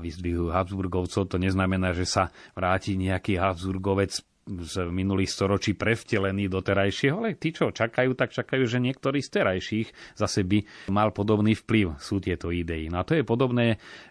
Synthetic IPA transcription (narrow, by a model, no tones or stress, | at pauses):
ʋizd̪ʋiɦuɦabzbuɾɡɔʊt͡sɔʊt̪ɔɲɛznamɛnaːʒɛsaʋɾaːciːɲɛakiːɦabzbuɾɡɔʋɛt͡s | zminuliːxst̪ɔɾɔt͡ʃiːpɾɛfcɛlɛniːd̪ɔt̪ɛɾajʃɪɛɦɔalɛt̪iːt͡ʃɔt͡ʃakajuːt̪ak̚t͡ʃakajuːʒɛɲɪɛk̚t̪ɔɾiːst̪ɛɾajʃiːxzasɛbimalpɔd̪ɔbniːfpliʊsuːt̪ɪɛt̪ɔid̪ɛinɔat̪ɔjɛpɔd̪ɔbnɛː